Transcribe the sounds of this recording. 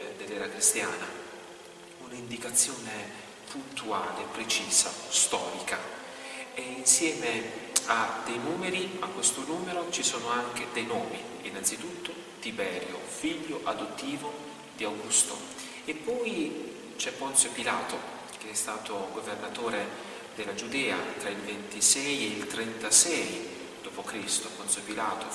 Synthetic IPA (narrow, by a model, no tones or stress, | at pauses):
d̪elːɛːɾakɾist̪jaːna | unaind̪ikat̪sːjoːne | punt̪ua̰ːlepɾet͡ʃiːza̰st̪ɔːɾika | einsjɛːmead̪ejnuːmeɾiakːwest̪onuːmeɾot͡ʃisoːnoaŋk̟ed̪ejnoːmi | inːant̪sit̪ut̪ːo | t̪ibɛːɾjo̰fiʎːoʔad̪ot̪ːiːvo | d̪̥iawɡust̪o̰ | epːɔj | t͡ʃɛpːɔnt̪sopilaːt̪o | k̟eɛst̪aːt̪oɡovernat̪oːɾe | d̪elːad͡ʒud̪ɛːa̰t̪ɾailvent̪isɛjeilt̪ɾɛnt̪asɛj | d̪̥oːpokɾist̪opɔnt̪sopilaːt̪o